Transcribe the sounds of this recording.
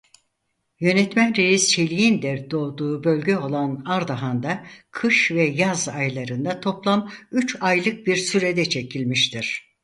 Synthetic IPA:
jø̞nɛt̪mænɾejist͡ʃʰelʲijind̪ɛd̪̥o̞ːd̪uːbø̞lʲɟɛo̞lˠanaɾd̪aɦand̪akʰɯʃvɛjazajlˠaɾɯnd̪at̪ʰo̞plˠamyt͡ʃajlˠɯk̚biɾsyɾed̪ɛt͡ʃʰecʰilʲmiʃt̪ʰiɾ̥

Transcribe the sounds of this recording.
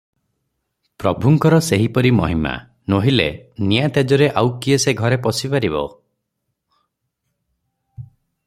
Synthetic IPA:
pɾɔbʱuŋkɔɾɔseɦipɔɾimɔ̰ɦima̰ | noɦilḛnijat̪jad͡ʒɔɾeʔawkieseɡʱɔɾepɔsipaɾibɔ̰

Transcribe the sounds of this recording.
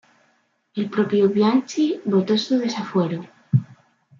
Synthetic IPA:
elpɾopjoβjant͡ʃiβot̪o̞suð̞e̞safwe̞ɾo

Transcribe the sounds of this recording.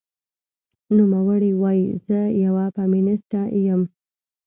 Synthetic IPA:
numawəɽiwɑjizəjawapamɪnɪsʈajəm

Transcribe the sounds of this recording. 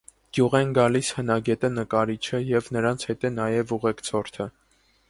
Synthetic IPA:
ɡ̥juʁɛnɡɑlishənɑɡɛt̪ənəkɑɾit͡ʃʰəjɛvnəɾɑnt͡sʰhɛt̪ɛnɑjɛvuʁɛkt͡sʰɔɾt̪ʰə

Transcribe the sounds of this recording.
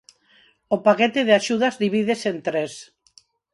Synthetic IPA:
opaket̪eðeaʃuð̞azðiβ̞ið̞esent̪ɾes

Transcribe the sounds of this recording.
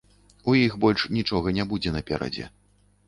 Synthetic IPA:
ujixbɔlʲʂnʲit͡ʂɔɣɐnʲabud͡zʲɛnɐpʲɛɾɐ̰d͡zʲɛ̰

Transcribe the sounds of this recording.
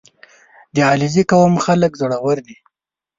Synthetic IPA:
d̪eɑlizikawəmxaləkzoɽawəɾni

